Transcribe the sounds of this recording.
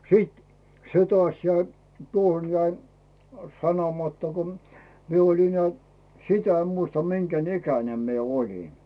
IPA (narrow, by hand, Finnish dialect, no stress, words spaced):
siˑt se tŏɑˑs jæi tuoh̆on jæi sɑnomɑtːɑ kom mie olin neæˑ sitæ em muistɑ miŋɡ̊æn ikænem mie olin